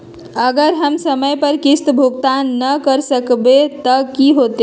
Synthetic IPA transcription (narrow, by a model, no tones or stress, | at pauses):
əɡəɾɦəmsəməjpəɾkist̪bʱuɡt̪anːəkəɾsəkbet̪əkiɦot̪e